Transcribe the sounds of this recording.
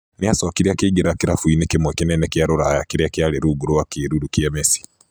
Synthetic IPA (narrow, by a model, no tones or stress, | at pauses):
niasokiɾiakiɡiɾakiɾafuinikimwɛkinɛnɛkiaɾuɾajakiɾiakjaliɾuɡuɾuwakiɾuɾukiemesi̥